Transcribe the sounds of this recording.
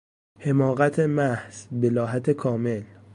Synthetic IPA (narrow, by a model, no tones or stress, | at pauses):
he̞mɒːɣæt̪ʰemæhsbe̞lɒːɦæt̪ʰekʰɒːme̞l